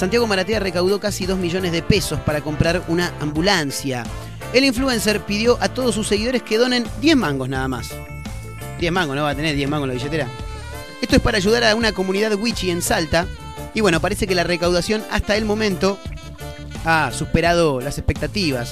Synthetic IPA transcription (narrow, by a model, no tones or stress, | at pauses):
sant̪jaɣo̞maɾat̪earekawðo̞kasiðo̞zmiʒo̞nezðe̞pe̞so̞spaɾako̞mpɾaɾunaʔambulansja | eliɱflue̞nseɾpiðjoʔat̪o̞ð̞os̬ːusːe̞ɣiðo̞ɾe̞ske̞ðo̞nẽ̞nd̪je̞zmãŋɡo̞znaðamas | d̪jeɦmãŋɡonoβat̪eneɾðjemãŋɡlaβiʃet̪eɾa | e̞st̪oespaɾaːʒuðaɾaunako̞mũniðaðɣwit͡ʃie̞nsalt̪a | iβwe̞no̞paɾe̞se̞kelarekawðasjo̞na̰st̪aelmo̞mẽnt̪o̞ | asuspeɾað̞o̞lasespe̞k̚t̪at̪iβ̞as